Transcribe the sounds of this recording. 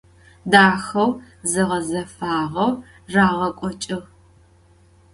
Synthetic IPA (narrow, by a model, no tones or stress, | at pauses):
daːxɐw | zɨʁɐzɐfaːʁɐw | raːʁɐkʷʼɔt͡ʃʼɪʁ